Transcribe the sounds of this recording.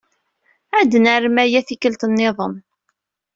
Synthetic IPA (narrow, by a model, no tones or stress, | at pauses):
æd̪nəɾəmæjæθikəlt̪nːɪðˤəm